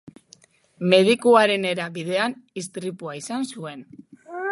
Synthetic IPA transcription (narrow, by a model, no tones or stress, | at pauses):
me̞ð̞ikuaɾe̞ne̞ɾaβið̞e̞anist̪ɾipuaisansue̞n